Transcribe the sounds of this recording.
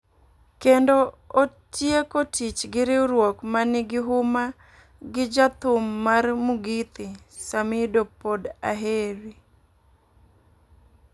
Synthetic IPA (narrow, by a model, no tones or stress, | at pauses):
kendo | o | tjekotʰit͡ʃɡɪɾɪwɾwokmanɪɡɪɦʊma | ɡɪd͡ʒat̪ʊmːarmʊɡit̪ɪ | samɪdopoda̰ɦeɾi